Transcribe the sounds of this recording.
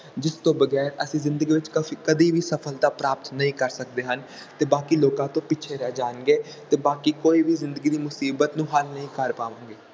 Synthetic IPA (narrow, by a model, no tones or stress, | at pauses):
d͡ʒɪst̪õːbəɡɛːɾəsĩːzɪ̃nd̪əɡiːʋɪt͡ʃkəfiːkəd̪iːʋiːsəpʰəld̪aːpɾaːp̚t̪nəɦĩːkəɾsək̚d̪eːɦən | t̪eːbaːkiːloːkãːt̪õːpɪt͡ʃʰeːɾɛːd͡ʒaːnɡeː | t̪eːbaːkiːkoːiːʋiːzɪ̃nd̪əɡiːd̪iːmʊsiːbət̪nũːɦəlnəɦĩːkəɾpaːʋãːŋɡeː